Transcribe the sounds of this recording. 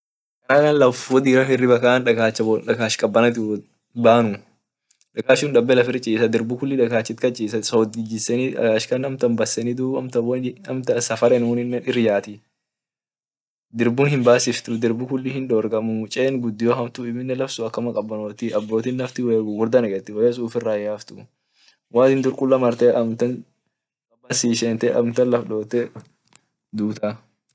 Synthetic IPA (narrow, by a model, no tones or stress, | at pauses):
kɐnaːkɐnlɐfɔd̪iːɾɐfɪrːɪbɐkaːnᶑɐkaːt͡ʃːɐᶑɐkaːʃkʼɐbːɐnɐt̪ɪ | baːnʊ | ᶑɐkaːʃuːnᶑɐbːɛlɐfɪɾt͡ʃʼiːsɐd̪ɪɾbukʊlːɪᶑɐkaːt͡ʃːɪt̪kɐt͡ʃʼiːsɐsod̪ɪd͡ʒɪsːɛniᶑɐ̰kaːʃkɐnɐmt̪ɐmbɐsːɛnɪd̪uːɐmt̪ɐbɔɐmt̪ɐsɐfɐɾɛnuːnɪnːɛɪrɪjaːt̪ɪ | d̪ɪɾbʊnhɪmbaːsɪft̪ʊd̪ɪɾbʊkʊlːɪhɪnᶑoːɾɡɐmʊt͡ʃʼeːnɡʊd̪ːɪjoːhɐmt̪ʊɪmɪnːɛlɐfsʊɐkːɐmɐkʼɐbːɐnoːt̪ɪɐbːo̞ːt̪iːnlɐft̪ɪweɡɡʊɾd̪ɐnɛɡɛt̪ːɪwɐjɛs̬uːfɪrːaːjaːft̪ʊ | waːt̪ɪnd̪ʼʊɾkʼʊlːɐmɐɾt̪ɛːʔɐmt̪ɐn | ɐbɐsiːʃeːnt̪ɛʔɐ̰mt̪ɐnlɐfᶑo̞ːt̪ːɛ | d̪uːt̪a